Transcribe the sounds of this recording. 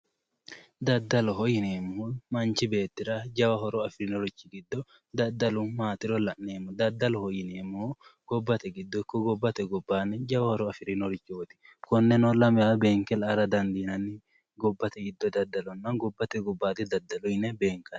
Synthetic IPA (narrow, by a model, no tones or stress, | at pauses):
d̪ɐd̪ːɐlɔɦɔjɪneːmːʊhumɐnt͡ʃɪbe̞ːt̪ːɪɾɐd͡ʒɐwɐɦɔɾɔɐfɪɾɪnɔɾɪt͡ʃːɪɡɪd̪ːɔ | d̪ɐd̪ːɐlʊmaːt̪ɪɾɔlɐʔneːmːɔd̪ɐd̪ːɐlɔhɔjɪneːmːʊhɡ̥ɔbːɐt̪ɛɡɪd̪ːɔɪkːɔɡɔbːɐt̪ɛɡɔbːaːnːɛd͡ʒɐwɐhɔɾɔɐfɪɾɪnɔɾɪt͡ʃːoːt̪ɪ̥ | kɔnːɛnɔlɐmɪabeːŋkɛlɐɾɐd̪ɐnd̪inɐnɪ | ɡɔbːɐt̪ɛɡɪd̪ːɔd̪ɐd̪ːɐlɔnːɐnɡɔbːɐt̪ɛɡɔbːaːt̪ɪd̪ɐd̪ːɐlʊjɪnɛbeːŋkːɐn